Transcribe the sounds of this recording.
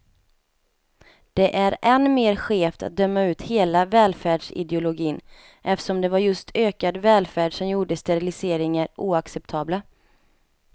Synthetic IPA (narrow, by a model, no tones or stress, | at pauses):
d̪̥ɛʔæɾɛnmeːɾɧeːft̪ʰa̰t̪̚d̪œmːaʉ̟ːt̪heːlavɛːlfæːɖʂɪ̰d̪ɛʊlʊɡiːn | ʔɛft̪ə̥ʂɔmd̪ɛvaɾjɵst̪ʰøːkad̪vɛːlfæːɖʂɔmjuːɖəst̪ɛɾɪlɪseːɾɪŋaɾuːaksɛpt̪ʰɑːbla